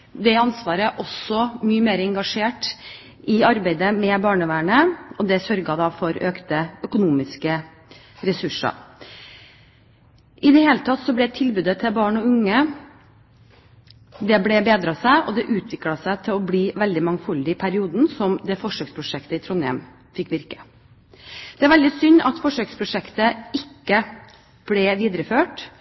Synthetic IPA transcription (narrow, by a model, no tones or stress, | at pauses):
d̪ɛɑnsʋɑːɾəʔɔsɔmyːəmeːɾəɛŋɡɑʂeːʈ | ʔɪɑɾbæɪd̪əmɛbɑːɳəʋæːɳəɔd̪ɛsœɾɡɑd̪ɑːfɔɾøːkt̪əœkʊnuːmɪskə | ɾɛsʉʂɑ̰ɾ | ʔɪd̪ɛheːlət̪ʰɑt̪ːsɔblɛt̪ʰɪlbʉːd̪ət̪ʰɪlbɑːɳɔʉŋːə | d̪ɛblɛbeːd̪ɾɑsæɪʔɔd̪ɛʔʉːt̪ʰʋɪklɑsæɪt̪ʰɪlɔbliːʋɛld̪ɪmɑŋfʉld̪ɪɪpʰæɾɪuːd̪n̩sɔmd̪ɛfɔʂøːkspʰɾʊʂɛkt̪əɪt̪ʰɾʊnɛ̰m | fɪkːʋɪɾkə̥ | d̪̥ɛæɾʋɛld̪ɪsʏnːɑt̪fɔʂøːkspʰɾʊʂɛkt̪əɪkːə | b̥lɛʋiːd̪ɾəføːʈ